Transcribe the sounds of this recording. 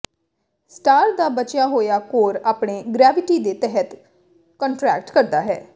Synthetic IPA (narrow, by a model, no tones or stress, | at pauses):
sʈaːɾd̪aːbət͡ʃjaːɦoːjaːkoːɾaːpɳeːɡɾɛːʋɪʈiːd̪eːt̪ɛɦət̪ | kəɳʈɾɛːk̚ʈkəɾd̪aːɦɛ̰ː